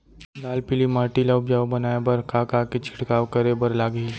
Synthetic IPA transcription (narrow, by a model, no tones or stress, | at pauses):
d̪aːlpɪlimaːʈiləʊpd͡ʒaːwbɐnaːebɐɾkaːkaket͡ʃʰɪ̥ʈkaːwkəɾebəɾlaːɡi